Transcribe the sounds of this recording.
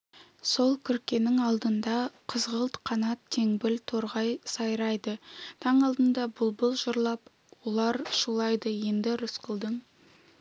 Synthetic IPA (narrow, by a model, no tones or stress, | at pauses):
so̞lˠkʲʰʏɾkʲe̞nɪŋɑlˠd̪ənd̪ɑqʰəzʁəlˠt̪qʰɑnɑt̪ʰːe̞ŋbɪlt̪ʰo̞ɾʁɑjsɑjɾɑjd̪ət̪ʰɑɴɑlˠd̪ənd̪ɑbʊlˠbəlˠʒʊɾlˠɑp | wolˠɑɾʃulˠɑjd̪əje̞nd̪ɪɾʊsqəlˠd̪əɴ